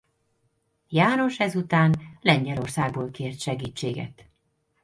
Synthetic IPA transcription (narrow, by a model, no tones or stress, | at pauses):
jaːno̞ʃɛzut̪aːnlɛɲɟɛlo̞rsaːɡ̚boːlkeːrt̪ʃɛɡiːt͡ʃːeːɡɛ̰t̪